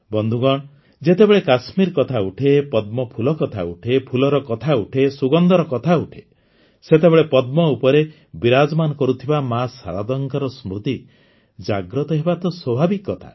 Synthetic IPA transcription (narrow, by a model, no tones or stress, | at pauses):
bɔnd̪ʱuɡɔɽ̃ | d͡ʒet̪ebeɭekasmiɾkɔt̪ʰauʈʰepɔd̪mɔpʰulɔkɔt̪ʰa̰uʈʰepʰulɔɾɔkɔt̪ʰauʈʰesuɡɔnd̪ɔɾɔkɔt̪ʰauʈʰe | set̪ebeɭepɔd̪̚mɔupɔɾe | biɾad͡ʒɔmanɔkɔɾut̪ʰibamasa̰ɾad̪ɔŋkaɾɔsmɾut̪i | d͡ʒaɡɾɔt̪ɔɦebat̪ɔswɔbʱabikːɔt̪ʰa̰